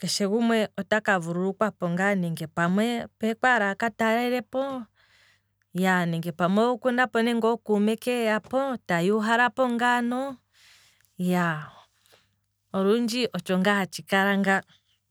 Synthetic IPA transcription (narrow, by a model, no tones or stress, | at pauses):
kɛʃɛɣumwɛɔtakavuɾuɾukwapɔŋɡanɛŋɡɛpamwɛpɛkwaɾakataɾaiɾɛpɔ | janɛŋɡɛpamwɛukundapɔnɛŋɡɔkumɛkɛjapɔtajuɦaɾapɔŋɡanɔ | ja | ɔɾund͡ʒiʔɔt͡ʃɔŋɡaat͡ʃikaɾaŋɡa